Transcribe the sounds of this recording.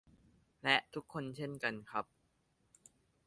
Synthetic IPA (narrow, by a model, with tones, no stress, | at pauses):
lɛ˦˥ʔt̪ʰu˦˥kʰːo˧nt͡ɕʰe˥˩nka˧nkʰa˦˥p̚